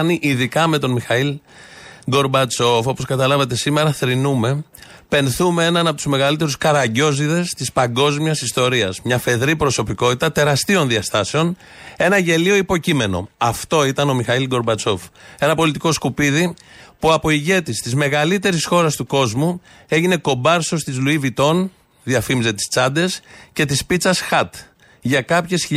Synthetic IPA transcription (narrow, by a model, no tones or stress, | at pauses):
niʔiðikɐme̞t̪o̞nmixɐil | ɡo̞ɾbɐt͡so̞fo̞po̞skɐt̪ɐlɐvɐt̪̬e̞sime̞ɾɐθɾinume̞ | pe̞nθume̞e̞nɐnɐpo̞t̪uzme̞ɣɐlit̪e̞ɾuskɐɾɐɲɟo̞ziðe̞st̪ispɐŋɡo̞zmiɐsist̪o̞ɾiɐzmɲɐfe̞ðɾipɾo̞so̞piko̞t̪it̪ɐt̪e̞ɾɐst̪io̞nðiɐst̪ɐse̞on | e̞nɐʝe̞lio̞ipo̞cime̞no̞̰ɐft̪o̞it̪ɐno̞mixɐilɡo̞ɾbɐt͡so̞fe̞nɐpo̞lit̪iko̞skupiðipuɐpo̞iʝe̞t̪ist̪izme̞ɣɐlit̪e̞ɾisxo̞ɾɐst̪uko̞zmu | e̞ʝine̞ko̞bɐɾso̞st̪izluivit̪o̞n | ðiɐfimize̞t̪i̥st͡sɐnd̪e̞sce̞t̪ispit͡sɐsxɐt̪ | ʝɐkɐpçe̞si